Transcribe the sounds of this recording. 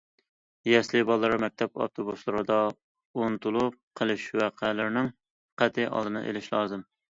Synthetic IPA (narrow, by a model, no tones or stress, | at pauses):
jɛslɪbɑlˠːɨɾɨmɛk̚ʲt̪ʰɛpɑ̰ft̪ʰobuslˠɨɾɨd̪ɑ | onɨt̪ʰulˠup̚qʰəlˠɨʃwæqʰælɪɾnɪŋ | qʰæt̪ʰɪʔɑ̰lˠd̪ɨnɨ̰ʔḛlɪʃlˠɑːzɨm